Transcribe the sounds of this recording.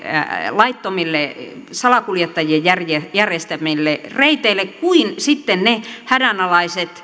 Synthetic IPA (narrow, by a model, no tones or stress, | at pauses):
lɑit̪ːomilːesɑlɑkuljet̪ːɑjiejjærjejærjest̪æmilːereit̪eilːekkuinsit̪ːennehædænɑlɑiset̪